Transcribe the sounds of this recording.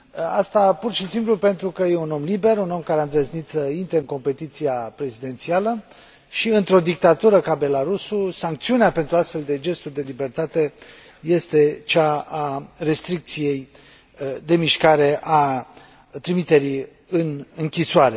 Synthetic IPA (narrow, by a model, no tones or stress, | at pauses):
ast̪apurʃisimplupe̞nt̪ɾukəjeuno̞mlibe̞runo̞mkaɾeamd̪ɾeznit̪səint̪ɾeɨŋko̞mpe̞t̪it̪siapɾe̞zid̪e̞nt̪sialə | ʃiɨnt̪ɾo̞d̪ik̚t̪at̪uɾəkabe̞laɾususaŋk̚t̪siuneape̞nt̪ɾuast̪fe̞ld̪e̞d͡ʒe̞st̪urʲd̪e̞libe̞rt̪at̪e | je̞st̪e̞t͡ʃaare̞st̪ɾik̚t̪sije̞j | d̪e̞miʃkaɾe̞ʔa | t̪ɾimit̪e̞ɾi | ɨnɨŋkʲisoaɾe̞